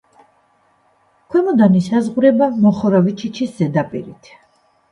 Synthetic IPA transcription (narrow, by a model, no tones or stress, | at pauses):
kʰwɛmɔd̪anisazʁuɾɛbamɔχɔɾavit͡ʃʰit͡ʃʰisz̥ɛd̪apʼḭɾit̪ʰ